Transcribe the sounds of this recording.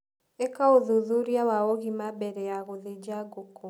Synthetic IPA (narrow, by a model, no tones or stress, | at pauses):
ekaoðuðuɾjawaɔɣimabɛɾɛjaɣoðed͡ʒaɡoko